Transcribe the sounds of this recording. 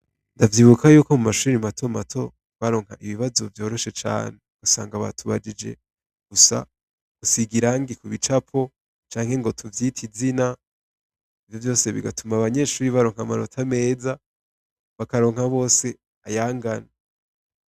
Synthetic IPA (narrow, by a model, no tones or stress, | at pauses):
ndavjiːβukʰajuːko̞mumaʃuːɾimatʰo̞matʰo̞ | βaɾo̞ːŋ̥haʔiβiβazovjo̞ːɾo̞ʃe̞t͡ʃa̰ːneusa̰ːŋɡaβa̰tʰuβad͡ʒid͡ʒe̞̰ | ɡ̥usa̰ | usiɡiɾaŋɡikuβit͡ʃapʰo̞ | t͡ʃaːŋhe̞ŋɡo̞tʰuvjiːtʰizina | ivjo̞vjo̞ːse̞βḭɡatumaβaɲe̞ʃuːɾiβaɾo̞ːŋ̥hamaɾotʰame̞ːza | βakaɾo̞ːŋhaβo̞ːse̞ | ajaːŋɡana